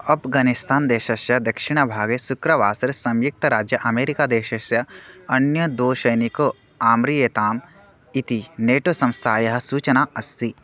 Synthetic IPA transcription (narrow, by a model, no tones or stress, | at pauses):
ɐpʰɡaːnɪst̪aːnd̪eːʃɐʃjɐd̪ɐkʃɪɽ̃ɐbʱaːɡesʊkɾɐʋaːsɐɾsɐ̃mjʊk̚t̪ɐɾaːd͡ʒjɐʔɐmeːɾikaːd̪eːʃɐʃjɐɐnjɐd̪oːʃɐjniko | aːmɾijet̪aːm | it̪ineːʈoːsɐ̃mst̪ʰaːjɐɦɐ̆suːt͡ʃɐnaɐst̪i